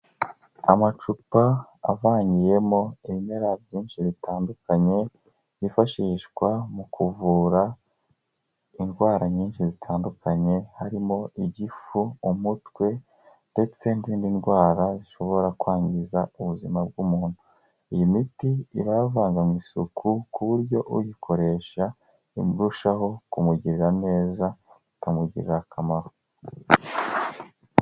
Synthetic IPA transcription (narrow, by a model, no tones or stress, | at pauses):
a̰mat͡ʃupaa̰vaːɲɡije̞mo̞iβime̞ɾavjiːnʃiβitaːndukaɲe̞ | βifaʃiːʃɡwamukʰuvuːɾa | inɡwaːɾaɲiːnʃizitʰaːndukʰaɲe̞haɾimo̞ʔiɟifuumutwe̞ | nde̞t͡se̞nziːndinɡwaːɾaziʃo̞βo̞ɾakwaːɲɡɟizauβuzimab̚ɡumuːn̥u | ijimitiːβavaːŋɡamŋwiːsukʰukuβuɾɟo̞ʔujikʰo̞ɾe̞ʃa | imɾuʃaɦo̞kumuɟiɾiɾane̞ːza | itʰamuɟḭɾḭɾakʰamaɾo